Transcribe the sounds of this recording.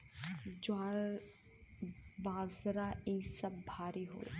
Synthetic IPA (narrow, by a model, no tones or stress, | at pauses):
d͡ʒaːɾ | baːzɾaĩsɐbːʱaːɾiɦo̰ː